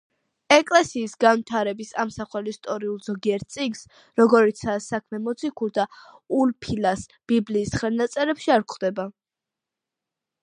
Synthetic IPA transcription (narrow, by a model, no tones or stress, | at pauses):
ɛkʼlɛsiːsɡanvit̪ʰaɾɛbisamsaχwɛlist̪ʼɔɾiulˠz̥ɔɡiɛɾt̪̚sʼiɡs | ɾɔɡɔɾit̪sʰasakʰmɛmɔt̪sʰikʰuɾd̪aulpʰilasb̥ibliːsχɛlˠnat̪sʼɛɾɛpʃiaɾkχd̪ɛba